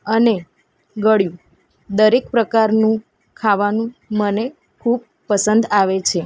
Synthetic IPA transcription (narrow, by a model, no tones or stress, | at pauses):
əne | ɡəɽjũ | d̪əɾek̚pɾəkaɾnũ | kʰaʋanũməne | kʰub̚ | pəsənd̪aʋet͡ʃʰe